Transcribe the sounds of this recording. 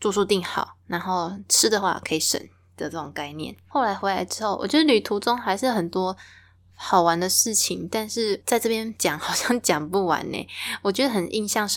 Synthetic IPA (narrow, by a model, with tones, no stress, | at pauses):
t͡su˥˧su˥˧t̪i˥˩ŋxɑ̰˨˩ʊna˧˦nxo˥˩ʊʈ͡ʂʰɻ̩˦˥d̪ə˨xwa̰˥˩kʰɤ˧˥i˨˩ʂə̰˨˩n | d̪̥ə˨˩t͡sɤ˥˩ʈ͡ʂo˨˩ŋka˥˧ɪnjɛ̰˥˨nxo˥˩ʊla˧˥ɪxwe˧˥ɪla̰˧˥ɪʈ͡ʂɻ̩˥xo˥˩ʊwʔɔ̰˨˩t͡ɕɥɛ˧˥ə˧ly˨˩t̪ʰu˧˥t͡so˦ŋxa˧ɪʂɻ̩˥˩xə˨˩nt̪wɔ˥ | xɑ˨˩ʊwa˧˦nd̪ə˨ʂɻ̩˥˩t͡ɕʰi˨˩ŋt̪a˥˧nʂɻ̩˥˩t͡sa˥˧ɪʈ͡ʂɤ˥˧pjɛ˥nt͡ɕjɑ˨˩˦ŋxɑ˨˩ʊɕjɑ˥˩ŋt͡ɕjɑ˨˩ŋpu˥˩wa̰˧˦nḛ˧˩wɔ˨˩t͡ɕɥɛ˧˥d̪ə˧xə˨˩nʔḭ˥˧nɕjɑ˥˧ŋʂ